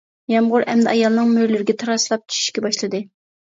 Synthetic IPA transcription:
jɑmʁʊɾʔɛmd̪ɛɑjɑlˠnɨŋmøɾlɪɾɪɡʲɛt̪ʰɑɾɑslˠɑp̚t͡ʃʰy̥ʃy̥ʃkʲɛbɑʃlˠɨd̪ɨ

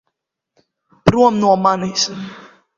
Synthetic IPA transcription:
pɾuɔmnuɔmanis

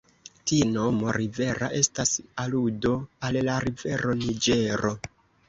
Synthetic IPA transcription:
tino̞mo̞ɾive̞ɾa̰ʔe̞stasaludo̞allaɾive̞ɾo̞nid͡ʒe̞ɾo̞

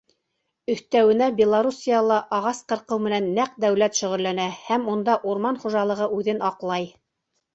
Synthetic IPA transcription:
ɵ̆θt̪æwɘ̆næbʲɪlˠaɾusʲijɑlˠɑʔɑʁɑsqɤ̆ɾqɤwmɘ̆nænːæq̚d̪æwlæt̪ʃɵ̆ʁɵ̆lːænæhæmund̪ɑʔuɾmɑnχuʒɑlˠɤ̆ʁɤʔʉðɘnɑqlˠɑj

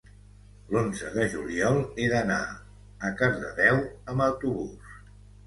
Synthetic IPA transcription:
lonzəðəʒuliɔlˠeðəna̰ | əkəzðə̰ðɛwəməwt̪uβus

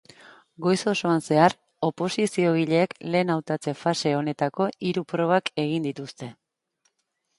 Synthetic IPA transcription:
ɡo̞jso̞so̞anse̞ar | o̞po̞sisio̞ɣ̞iʎe̞ːkle̞ːnawt̪at͡se̞fase̞o̞ne̞t̪ako̞ʔiɾupɾo̞β̞ake̞ɣind̪it̪ust̪e̞

